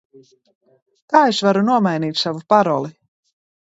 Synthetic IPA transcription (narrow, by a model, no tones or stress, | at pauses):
t̪aːesvaɾunuɔmajniːt̪ʲsavupaɾɔlˠi